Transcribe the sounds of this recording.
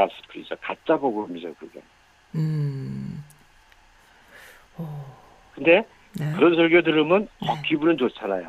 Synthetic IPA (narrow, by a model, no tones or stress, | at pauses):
as͈ʌ̥kɯɾḭd͡ʑokat͡ɕ͈aboɡɯmid͡ʑakɯɾɯɡḛ | kɯnde̞ | kɯɾʌnsʰʌɭɡjodɯɾɯmɯnt͡ɕʌkʰibunɯnt͡ɕot͡ɕʰanajo